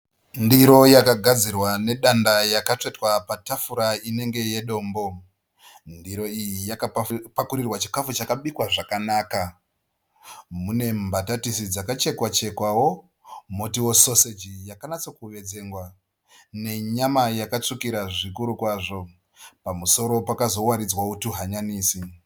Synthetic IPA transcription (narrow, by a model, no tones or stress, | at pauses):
ndiɾo̞jakaɡʱad͡zirwane̞ɗandajakat͡ʂetwapatafuɾaine̞ŋɡe̞je̞ɗo̞ːmbo̞ | ndiɾo̞ijijakapakuɾirwat͡ʃi̥kafut͡ʃakaɓikwaʐakanaːka | mune̞mbatatisid͡zakat͡ʃe̞kwat͡ʃe̞kwawo̞ | mo̞tiwo̞so̞sed͡ʒijakanat͡sokuʋe̞d͡ze̞ŋɡwa | ne̞ɲamajakat͡ʂukiɾaʐikuɾukwaʐo̞ | pamuso̞ɾo̞pakazo̞waɾid͡zwautuɦaɲaniːsi